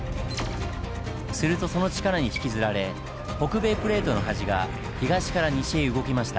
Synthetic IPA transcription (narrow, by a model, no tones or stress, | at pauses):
sɨɾɯ̟t̪o̞so̞not͡ɕi̥kaɾaɲ̟içi̥kʲizɨɾaɾe̞ | ho̞kɯ̟be̞ːpɯ̟ɾe̞ːt̪o̞no̞ɦaʑiɡa | çiɡaɕi̥kaɾaɲiɕeːɯ̟ɡo̞kʲimaɕi̥t̪a